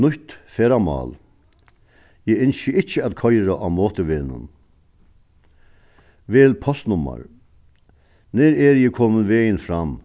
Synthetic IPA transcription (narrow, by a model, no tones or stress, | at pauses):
nʊht̪fɛːɾamɑ̰ːl | jɛːɪnsəɪht͡ʃːəæt̪kʰɔjɾaʔamoːt̪əʋeːnʊ̰n | ʋeːlpʰɔst̪nʊmːa̰ɾ | nɛɾɛɾjɛːkʰoːmənʋeːjɪnfɾam